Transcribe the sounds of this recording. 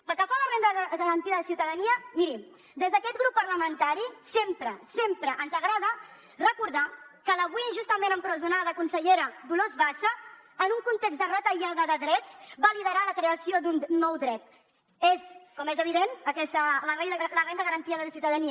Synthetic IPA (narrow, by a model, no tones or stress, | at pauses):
pəlˠkəfalərend̪əəɣəɾənt̪iəðəsiwt̪əðəniəmiɾim | d̪ezðəkɛt̪ɣɾupːərləmənt̪aɾisempɾəsempɾəʔənzəɣɾaðə | rəkuɾðakələβwuiʒust̪əmenəmpɾəzunaðəkunsəʎeɾəd̪ulozβaʃə | ənuŋkunt̪ekzd̪ərət̪əʎaðəðəðɾɛt͡sbaliðəɾaləkɾeəsiod̪unːɔwd̪ɾɛt̪̚ | eskɔmezəβ̞iðenəkɛst̪ələrenələrend̪əɣəɾənt̪iəðələsiwt̪əðəniə